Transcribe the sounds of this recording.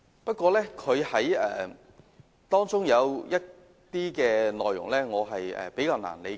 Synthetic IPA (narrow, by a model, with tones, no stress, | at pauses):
pɐ˥t̚kʷɔː˧lɛː˥kʰɵ˨˧ɥhɐ˨˥jɛ̰ː˨ | t̪ɔː˥ŋt͡sʊ˥ŋjɐ˨˧wjɐ˥t̚ | t̪iː˥kɛː˧nɔː˨˩jːʊ̰˨˩ŋlɛː˥ŋɔː˨˧ɦɐ˨jɛ̰ː˨˩pe˨˥jkaː˧wna̰ː˨˩nle˨˧